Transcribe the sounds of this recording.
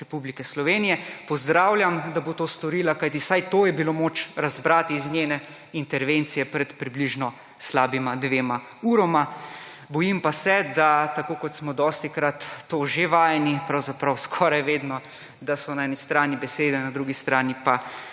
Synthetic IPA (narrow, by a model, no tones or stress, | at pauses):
ɾɛpublikɛslɔʋeːnijɛpɔzd̪ɾaːwlʲjamd̪abot̪oːst̪ɔɾiːlakajt̪̬isajt̪oːjɛbilomoːt͡ʃɾazbɾaːt̪iːznʲjeːnɛ | int̪ɛɾʋeːnt̪sijɛpɾɛt̪pɾibliʒnɔ | slaːbimad̪ʋeːma | uɾɔma | bɔjimpasɛd̪at̪akoːkɔt̪smɔd̪ɔst̪ikɾat̪ːoːʒeʋaːjɛnipɾawzapɾawskʰɔːɾajʋeːd̪nɔ | d̪asɔnaɛnist̪ɾaːnibɛseːd̪ɛnad̪ɾuɡist̪ɾaːnipa